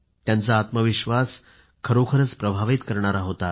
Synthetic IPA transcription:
t̪jant͡saːt̪məʋiɕʋas | kʰəɾokʰəɾət͡spɾəbʱaʋit̪kəɾɳ̃aɾaɦot̪a

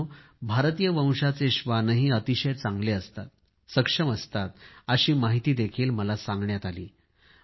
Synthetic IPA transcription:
bʱaɾt̪ijəʋə̃w̃ʂat͡seɕʋanəɦiːət̪iɕəjt͡sãŋɡleəst̪at̪̚ | səkʂəməst̪at̪əɕiːmaɦit̪iːd̪ekʰiːlməlasãŋɡɳjat̪alḭː

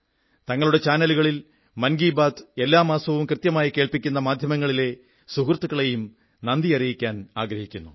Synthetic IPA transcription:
t̪ɐŋːɐɭuɽe̞t͡ɕaːnɐluɣɐɭil | mɐnɡiːbaːd̪e̞lːaːmaːsɐʋumkrɨt̪jɐmaːjike̞ːɭpikʲːunːɐmaːd̪ʱjɐmɐŋːɐɭile̞ | suɦrt̪ːuɣɐɭe̞jum | nɐnd̪iɐrijikʲːaːnaːɡɾɐhikʲːunːu

